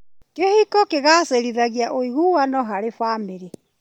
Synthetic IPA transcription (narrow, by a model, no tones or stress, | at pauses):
kehikɔkeɣaseɾiðaɣjaʔoiɣuwanɔɦaɾefaːmeɾe